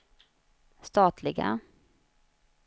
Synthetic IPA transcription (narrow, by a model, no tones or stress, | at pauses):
st̪ɑːt̪ʰlɪɡa̰